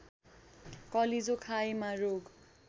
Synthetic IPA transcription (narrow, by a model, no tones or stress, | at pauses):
kʌlid͡zokʰaemaroɡ